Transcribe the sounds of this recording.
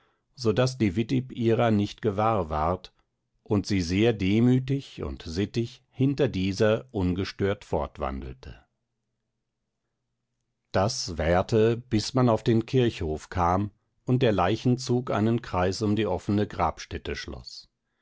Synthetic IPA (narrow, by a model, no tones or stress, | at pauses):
zodasd̥iːvɪtɪpiːʁɐnɪçtɡ̥əvaːɐva̰ɐt | ʔʊntz̥iːzeːɐdeːmyːtɪçʊ̰ntzɪtɪç | hɪntɐdiːzɐʔʊnɡəʃtøːɐtfɔɐtv̥a̰ndl̩tʰə̰ | d̥asv̥ɛɐtʰəb̥ɪsmanaʊfd̥eːnkʰɪɐçhoːfkʰaːm | ʊnt̚d̥eːɐlaɪçn̩t͡suːka̰ɪnənkʁ̥aɪsʊmdiːʔɔfənəɡʁa̰ːpʃtɛtəʃlɔ̰s